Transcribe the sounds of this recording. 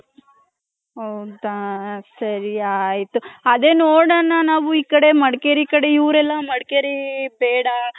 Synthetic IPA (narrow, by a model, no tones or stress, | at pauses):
ɦɐwd̪asɐɾiajit̪uɐd̪eːnoːɽanːanaːʋuiːkɐɽe̞mɐɽkeːɾiːkɐɽeiːɾɛlːɐmɐɽkeːɾibeːɽɐ